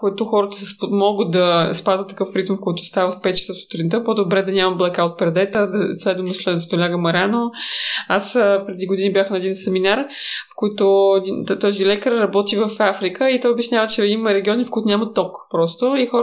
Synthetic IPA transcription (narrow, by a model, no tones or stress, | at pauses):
koit̪ʊxɔɾət̪əssmɔɡət̪̚d̪ɐspazvət̪ːɐ̥kɤfɾit̪mfkɔjit̪ʊ̥st̪avəfpɛt̪̚t͡ʃɛ̥səsʊ̥t̪ɾint̪əpod̪obɾɛd̪ɐnʲamɐblˠɐkaot̪̚pɾɛd̪ɛt̪əd̪ɐslɛd̪vəmd̪oslɛst̪olʲaɡəmɐɾʲanoasəpɾɛd̪iɡod̪inibjaxnɐɛd̪insɛminaɾfkɔit̪ʊɛd̪it̪ɔzilɛkəɾːɐbɔt̪ivəfafɾikəit̪ɔjobʲjɛsnʲjavət͡ʃɛiməɾɛɡʲiɔnifkoɔit̪ʊnʲamət̪ɔkpɾɔst̪oixɔ